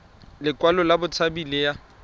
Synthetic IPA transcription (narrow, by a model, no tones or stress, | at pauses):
lɪkʼwalɔlabʊt͡sʰabileja